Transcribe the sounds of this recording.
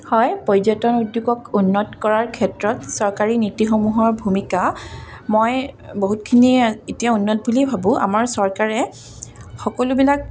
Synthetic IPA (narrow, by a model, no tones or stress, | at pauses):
hɔjpɔjzɔtɔnudjuɡɔkunːɔtkɔɹaɹkʰɛtɹɔtsɔɹkaɹinitixɔmuɦɔɹbʱumikamɔjboɦutkʰinietiaunːɔt̚bulibʱabʊ̃ʔa̰maɹsɔɹkaɹɛ | xɔkɔlʊbilak̚